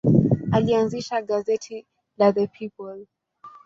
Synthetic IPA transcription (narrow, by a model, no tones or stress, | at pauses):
alianziʃaɠazɛtʰi | laðəpʰipɔl